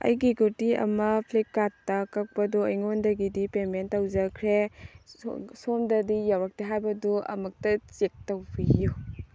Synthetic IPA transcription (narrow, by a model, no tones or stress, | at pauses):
ɐ̰jɡiɡutiɐ̰mɐpʰlikːatːɐkɐk̚pɐduɐjŋondɐɡidipementːɐwzɐkʰɾe | somdɐdijawɾak̚teɦajbɐduɐ̰mɐk̚tɐt͡ʃek̚tɐwbiju